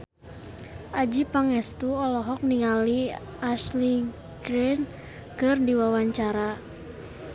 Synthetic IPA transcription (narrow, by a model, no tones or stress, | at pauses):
ʔad͡ʒipaŋɛst̪uɔlɔɦɔk̚niŋali | asli | ɡɾin | kɨrdiwawaɲt͡ʃaɾa